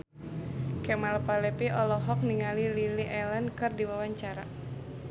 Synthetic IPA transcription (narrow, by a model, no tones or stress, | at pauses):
kɛmalpalɛpiʔɔlɔɦɔk̚niŋalililiʔɛlankɨrdiwawaɲt͡ʃaɾa̰